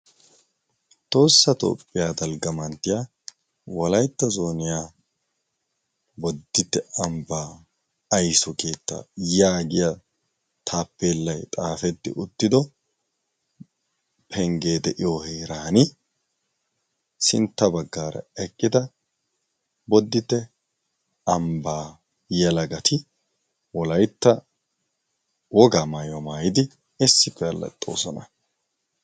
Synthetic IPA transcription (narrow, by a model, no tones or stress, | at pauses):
t̪ʼo̞ːsːɐt̪o̞̰ːpʼːɪjaːd̪ɐlɡɐmɐnt̪ːɪja | wɔlɐjt̪ːɐzo̞ːnɪjaː | bɔd̪ːɪt̪ːɛɐmbaː | ɐjsɔke̞ːt̪ːa̰jaːɡɪjɐ | t̪ʰaːpːeːlːɐjt̪ʼaːfɛt̪ːɪ̰ʔʊt̪ːɪd̪ɔ | pʰɛŋɡe̞ːd̪ɛʔɪjoheːɾaːnɪ | sɪnt̪ːɐbɐɡːaːɾɐ̰ɛkʼːɪd̪ɐ | bɔd̪ːɪt̪ːɛ | ɐmbaː | jɛlɐɡɐt̪ɪ | wɔlɐjt̪ːɐ | wɔɡamajɔmaːjɪd̪ɪ | ɪsːɪpːɛɐlːɐ̰t̪ʼːo̞̰ːsɔnɐ